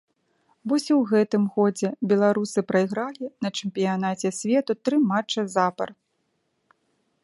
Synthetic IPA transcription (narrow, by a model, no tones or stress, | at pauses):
vɔsʲwɣɛt̪ɨmɣɔd͡zʲɛbʲɛlˠaɾusɨpɾɐjɣɾalʲinɐt͡ʂɛmpʲijanat͡sʲɛsʲvʲɛt̪ut̪ɾɨmat͡ʂɐzapɐ̰r